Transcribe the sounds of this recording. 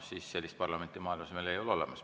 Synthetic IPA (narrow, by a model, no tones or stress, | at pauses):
siːsselʲːist̪̚pɑrlɑment̪ːˑimɑːilmɑsemelejololemɑs